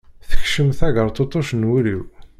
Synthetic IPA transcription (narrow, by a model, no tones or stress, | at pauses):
θə̥çʃəmθæʝəɾˤt̪ˤot̪ˤːoʃnwuɾiw